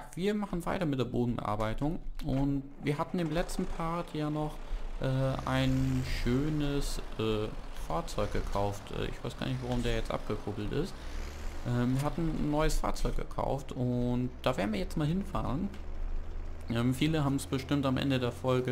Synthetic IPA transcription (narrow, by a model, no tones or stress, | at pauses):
v̥iːɐmaχn̩vaɪtɐmɪt̚d̥eːɐboːdn̩bə̰ʔa̰ɐbaɪtʊŋʔʊntviːɐhatn̩ɪmlɛt͡stn̩pʰaɐtʰjaːnɔχʔɛːʔa̰ɪnʃøːnəsʔɛːfaːɐt͡sɔʏk̚ɡ̥əkʰaʊftʔɛ̰ːʔɪ̰çv̥aɪsɡ̥a̰ːɐnɪçtv̥aʁ̞ʊmdeːɐjɛt͡stʔa̰p̚ɡ̥əkʰʊɡl̩tɪ̰st | ʔɛːmviːɐɦatn̩nːɔʏəsfa̰ːɐt͡sɔʏk̚ɡ̥əkʰa̰ʊftʊntd̥aːveːɐn̩viːɐjɛt͡stmaːlhɪnfa̰ːʁən | ʔɛːmfiːləɦaːbm̩sb̥əʃtɪmtamʔɛ̰ndədeːɐfɔlɡə